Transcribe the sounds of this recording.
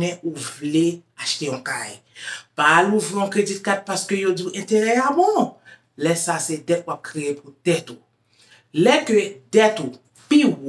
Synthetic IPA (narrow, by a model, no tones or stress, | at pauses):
nɛ̃ʔuvle | aʃt̪eɔ̃kaj | paluviɔ̃kɾedit̚kat̚paskøjodiʔɛ̃teɾɛamɔ̃ | lɛsasɛdɛt̚wap̚kɾeepʰud̥ɛtu | lɛkødɛtu | piw